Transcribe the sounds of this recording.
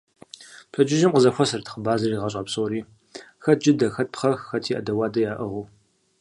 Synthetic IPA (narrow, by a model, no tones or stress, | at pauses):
pʰɐd͡ʒɪʒɪmqʼəzɐxʷɔsɐrtʰχəbaːzɐriːʁɐɕʼɐpsoːɾiː | xɐt̚d͡ʒɪdɐxɐt̚pχɐxxɐtʰiːʔɐ̰dɐwaːdɐjaːʔɨʁu